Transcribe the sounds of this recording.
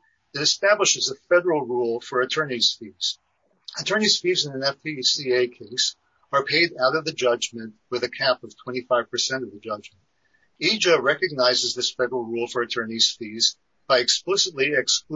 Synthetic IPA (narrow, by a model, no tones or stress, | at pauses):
ɨɾɨstæbləʃɨzəfɛɾə˞l̩ˠɹulˠfə˞ɨtʰɜ˞niz̥fiz̥ | ɨtʰɜ̃˞niz̥fizɨ̃nɨ̃nɛfpʰisieɪkʰeɪs | ə˞pʰeɪɾaʊɾʌvðɨd͡ʒʌd͡ʒmɨ̃nʔwɨðɨkʰæpʌv̥tʰw̥ɛ̃ɾ̃ifaɪv̥pʰə˞sɛ̃ɾ̃ʌvðɨd͡ʒʌd͡ʒmɨn̩t̚ | id͡ʒɨɹɛkɨɡ̚naɪzɨzðɪsfɛɾə˞l̩ˠɹulˠfə˞ɨtʰɜ̃˞niz̥fiz | b̥aɪɨksplɪsɨtˡliɨksk